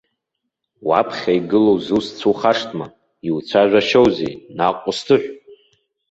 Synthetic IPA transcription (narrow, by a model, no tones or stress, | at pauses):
wa̰pʰχʲaiɡɨlowzust͡sʰuχaʂtʼma | iwt͡sʷʰaʒʷᶣaʃowzḛjnaqʷʼʊstʰɨħʷ